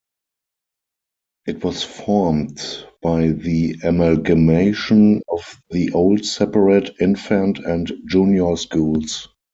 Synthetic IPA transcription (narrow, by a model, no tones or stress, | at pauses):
ʔɪtwɔsfɔɹmdb̥aɪðiɛmalɡəmeɪʃə̃nɔfðiʔoʊldsɛpəɹɛtʰɪ̃nfæ̃ntʰæ̃ntd͡ʒũnjə˞skuːls